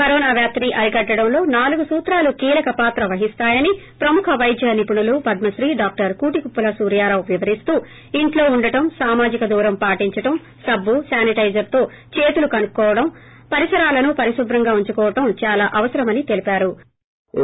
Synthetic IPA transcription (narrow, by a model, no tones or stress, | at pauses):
kɐɾɔːnaːʋjaːp̚t̪ɐniʔɐɾiɡɐɖːɐɽɐmlo̞ːnaːluɡusuːt̪ɾaːlukiːlɐkɐpaːt̪ɾɐʋɐɦist̪aːjɐnipɾɐmukʰɐʋɐjd̪ʱjɐnipuɳulupɐd̪mɐsɾiːɖaːk̚ʈɐɾkuːʈikupːɐlɐsuːɾjaːɾaːwʋiʋɐɾist̪uː | iɳʈlo̞ːuɳɖɐʈɐmsaːmaːd͡ʒikɐd̪uːɾɐmpaːʈiɲt͡ʃɐʈɐm | sɐbʱːusaːniʈɐjd͡ʒɐɾt̪o̞ː | t͡ʃe̞ːt̪ulukɐnukkːɔːʋɐɽɐmpɐɾisɐɾaːlɐnupɐɾisubɾɐŋɡaːuɲt͡ʃukɔːʋɐʈɐmt͡ʃaːlaːʔɐʋɐsɐɾɐmɐnit̪elipaːɾu